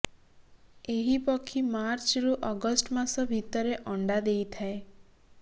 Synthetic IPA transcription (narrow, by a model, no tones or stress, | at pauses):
eɦipɔkʰimaɾt͡ʃɾuʔɔɡɔsʈmasɔbʱit̪ɔɾeʔɔɳɖad̪ejt̪ʰae